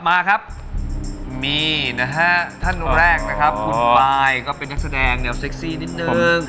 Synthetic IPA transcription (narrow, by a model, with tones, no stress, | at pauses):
a˨p̚maː˧kʰa˦˥p̚ | miː˧na˦˥ɦa˦˥t̪ʰa˥˩nːu˧ɾɛː˥˩k̚na˦˥kʰa˦˥pkʰu˧npaː˧jkɔː˥˩pe˧nːa˦˥k̚sa˧dɛː˧ŋdi˦˩ɐwse˦˥k̚siː˥˩ni˦˥t̪̚nɯ˧˩ŋ